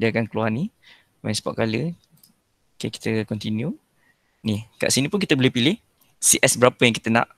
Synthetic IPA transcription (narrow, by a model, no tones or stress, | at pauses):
diakankəluarni | wɛ̰̃nspɔ̰ʔkalə | keki̥t̪əkɔnt̪inju | nihka̰ʔsinĩpʊnkit̪əbolepilɪh | siʔɛsbəɾapəjaŋkit̪ənã̰ʔ